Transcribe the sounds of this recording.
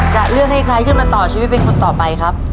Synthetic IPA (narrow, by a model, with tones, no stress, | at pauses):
t͡ɕa˨˩ʔɾɯ˥˩ək̚ha˥˩jkʰɾa˧˥jkʰɯː˥˩nmaː˧nt̪ɔː˨˩t͡ɕʰiː˧˦wi˦˥t̪̚pe˧nkʰo˧nt̪ɔː˨˩pa˧jkʰɾa˦˥p̚